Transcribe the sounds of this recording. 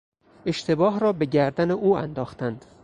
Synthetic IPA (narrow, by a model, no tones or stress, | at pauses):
e̞ʃt̪ʰe̞bɒːɦɾɒːbe̞ɟæɾd̪æneʔuːæ̰nd̪ɒːxt̪ænd̪̥